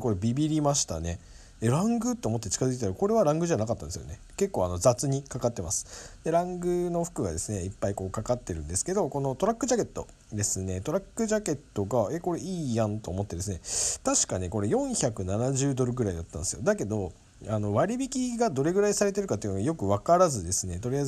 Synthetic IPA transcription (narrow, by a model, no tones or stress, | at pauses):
ko̞ɾe̞bʲibʲiɾʲimaɕi̥t̪a̰ne̞ | d̪eɾãŋɡɯ̟t̪ːeomo̞t̪ːe̞t͡ɕi̥kazɨkit̪aɾako̞ɾe̞βaɾãŋɡɯ̟ʑanakat̪ːã̰nd̪esjo̰e̞ | ke̞kːo̞ːano̞d͡zat͡sɨɲ̟ikakat̪ːe̞masɨ̥d̪̥e̞ɾãŋɡɯ̟no̞ɸɯ̟̥kɯ̟ɡa̰d̪e̞sɨne̞ipːaiko̞ːkakat̪ːe̞ɾɯ̟̃nd̪e̞sɨ̥ke̞d̪o̞ko̞no̞t̪o̞ɾakːɯ̟ʑake̞t̪ːo̞ | d̪e̞sɨne̞t̪o̞ɾakːɯ̟ʑake̞t̪ːo̞ɡae̞ko̞ɾe̞iːjãnt̪o̞ːmo̞t̪ːe̞d̪e̞s̬ɨne̞t̪aɕi̥kaɲiko̞ɾe̞jõ̞ɰ̃çakɯ̟nanaʑɨːd̪o̞ɾɯ̟ɡɯ̟ɾaid̪at̪ːãnd̪esɨjo̞d̪ake̞d̪o̞ | ano̞βaɾʲibʲikʲiɡad̪o̞ɾe̞ɡɯɾaisaɾe̞t̪̬e̞ɾɯ̟kat̪ːeɯ̟noɡajo̞kɯ̟βakaɾazɨd̪e̞sɨne̞t̪o̞ɾʲijai